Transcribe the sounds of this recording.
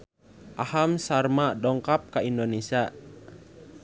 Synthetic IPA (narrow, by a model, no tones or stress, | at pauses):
ʔahamsarmadɔŋkap̚kaindonesia